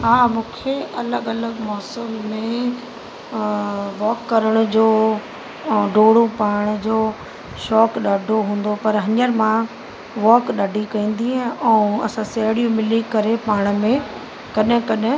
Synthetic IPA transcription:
ɦaːmũːkʰeɐləɠɐləɠmɔːsəmːẽ | ʋɔːkːɐɾəɽ̃d͡ʑoː | ɖoːɽ̤upaːɽ̃d͡ʑoː | ʃɔːkɗaːɖʱoɦũːn̆d̪opɐɾɦɐɲəɾmã | ʋɔːkɗaɖʱikɐ̃ĩːn̆d̪iɦɛ̃ɛ̃ːɐ̰sãsɐɦɽijũmɪlikɐɾepaːɽ̃mẽ | kɐɗɪ̃kɐɗɦɪ̃

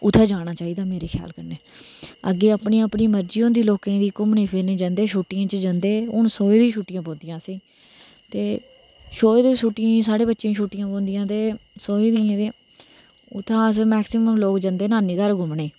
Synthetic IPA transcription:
ʊt̪ʰːaːd͡ʒaːɽ̃aːt͡ʃaːiːd̪aːmeːɾeːkʰja̰ːlkəɾneːəɡeːəpɳiːəpniːməɾd͡ʒiːõːnd̪iːloːkẽːd̪iːkʊmɳeːpʰeːneːd͡ʒə̃nd̪eːʃuːʈːɪjãːt͡ʃəd͡ʒãnd̪eːʊnsoːiːd̪ĩːʃʰuːʈːɪjãːpõːnd̪ɪjãːsiː | t̪eː | ʃoːeːd̪eːʃuːʈːɪjãːsaːɽeːbətːʃãːʃuːʈːɪjãːp̬õːnd̪ɪjãːt̪eːsoːiːd̪iãːt̪eː | ʊt̪ʰːãːəsmɛːksɪməmloːkd͡ʒə̃nd̪eːnaːniːd̪əɾɡʊmɳeː

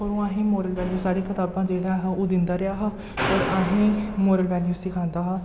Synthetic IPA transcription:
oːɾũːaːɦĩːmoːɾəlʋɛːluːsaːɽiːkʰɪt̪aːbãːd͡ʒeːɽaːɦãːoːd̪ɪnd̪aːɾɪjaːɦãː | ɔːɾaːɦĩːmoːɾəlʋɛːljuːsɪkʰãːnd̪aːɦãː

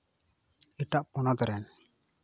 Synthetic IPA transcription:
ɛʈaʔpɔnɔd̪ɔɾɛn

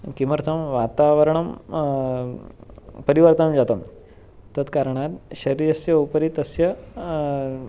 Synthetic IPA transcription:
kiməɾt̪ʰəmʋat̪aʋəɾɳ̃ɐm | pəɾiʋəɾt̪amd͡ʑat̪ɐm | t̪ːət̪kaɾɳ̃at̪ɕɐɾiɾɐsjɐupɾit̪əsjɐ

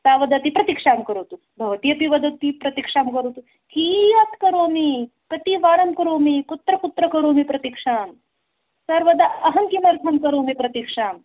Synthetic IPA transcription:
saːʋɐd̪ɐt̪ipɾɐt̪ikʂaːmkɐɾoːt̪u | bʱɐʋɐt̪ijɐpiʋɐd̪ɐt̪ipɾɐt̪ikʂaːmkɐɾoːt̪u | kijɐt̪kɐɾoːmi | kɐt̪iʋaːɾɐmkɐɾoːmikut̪ɾɐkut̪ɾɐkɐɾoːmipɾɐt̪ikʂaːm | sɐɾʋɐd̪aɐɦɐŋkimɐɾt̪ʰɐmkɐɾoːmipɾɐt̪ikʂaːm

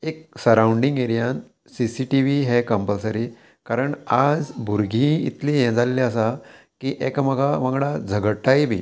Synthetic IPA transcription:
eksəɾawɳɖiŋɡeɾijan | sisiʈiʋiɦɛkəmpəlsəɾi | kaɾəɳad͡zbʱuɾɡʱĩḭt̪lijɛ̃d͡zaleliəsa | kiʔekməɡʱaʋəɡɽad͡zʱəɡəʈːaibʱḭː

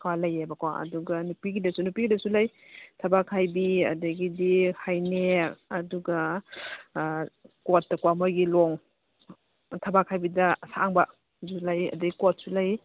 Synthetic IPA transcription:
kʰwalajebɐkawaɐ̰duɡɐnupiɡidɐsunupiɡidɐsulaj | tʰɐbakʰːajbiɐ̰daɡidihajneɐduɡɐ | kot̚ːakwamojɡilɔŋ | tʰɐbakʰajbidɐsaŋbɐ | zulajɐ̰daɡikot̚sulaj

